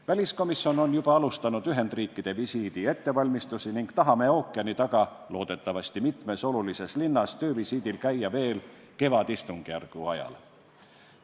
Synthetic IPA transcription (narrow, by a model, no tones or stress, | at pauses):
vælʲisko̞misːjo̞no̞njub̥ɑɑlust̪ɑnud̪̥yɦe̞nd̪riːkˑːid̪̥e̞visiːd̪̥ie̞t̪ːe̞vɑlʲmist̪usiniŋɡ̥t̪ɑɦɑme̞o̞ːkːˑiɑnit̪ɑɡ̥ɑ | lo̞ːd̪̥e̞t̪ːˑɑvɑst̪imit̪me̞so̞lulise̞slinːɑst̪ø̞ːvisiːd̪̥ilkæjːɑve̞ːl | ke̞vɑd̪ist̪uŋɡ̥ijærɡ̥uɑ̰jɑ̰l